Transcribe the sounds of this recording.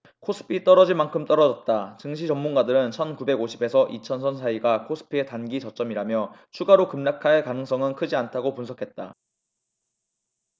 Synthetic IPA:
kʰosʰɯ̥pʰit͈ʌɾʌd͡ʑinmankʰɯmt͈ʌɾʌd͡ʑʌt̚t͈at͡ɕɯŋɕ̬ʰit͡ɕʌmːunɡadɯɾɯnt͡ɕʰʌnkube̞ɡoɕʰibe̞sʰʌʔit͡ɕʰʌnsʰʌnsʰaiɡakʰos͈ʰɯ̥pʰie̞tanɡit͡ɕʌt͡ɕ͈ʌmiɾamjʌt͡ɕʰuɡaɾokɯmɲakʰaɭkanɯŋs͈ʌŋɯnkʰɯd͡ʑiantʰaɡopunsʰʌkʰe̞t̚t͈a

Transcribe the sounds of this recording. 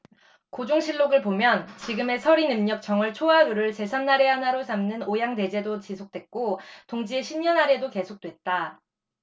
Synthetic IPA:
kod͡ʑoŋɕʰiɭːoɡɯɭpomjʌnt͡ɕiɡɯme̞sʰʌɾinɯmɲʌk̚t͡ɕ͈ʌŋɯɭt͡ɕʰoaɯɾɯɭt͡ɕe̞sʰanːaɾe̞ɦanaɾosʰamnɯnojaŋte̞d͡ʑe̞dot͡ɕisʰok̚t͈we̞t̚k͈otoŋd͡ʑieɕʰimɲʌnɦaɾe̞doke̞sʰok̚t͈we̞t̚t͈a

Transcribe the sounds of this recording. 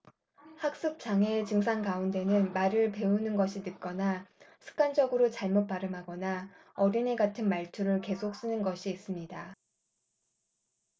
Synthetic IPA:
hak̚s͈ɯk̚t͡ɕ͈aŋe̞t͡ɕɯŋs̬ʰaŋkaunde̞nɯnmaɾɯɭpe̞unɯnɡʌɕʰinɯk͈ʌnasʰɯ̥k͈and͡ʑʌɡɯɾot͡ɕaɭmot̚p͈aɾɯmɦaɡʌna | ʌɾine̞ɡatʰɯnmaɭtʰuɾɯɭke̞sʰok̚s͈ɯnɯnɡʌɕʰiːs͈ɯmɲida

